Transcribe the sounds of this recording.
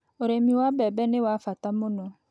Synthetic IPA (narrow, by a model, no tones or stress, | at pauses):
oɾemĩwabɛbɛnɪ̃wafatamʊ̃nɔ̃